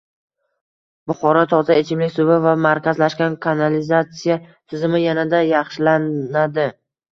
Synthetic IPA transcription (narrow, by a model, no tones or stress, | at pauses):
bʊχɒɾɒt̪ʰɒt̪ʰaet͡ʃʰɪmlɪkʲsʊvɪvamaɾkʲazlaʃkʲankʰanalɪzat̪sijat̪ʰɪzɪmɪjanad̪ajɑχʃɪlanad̪ɪ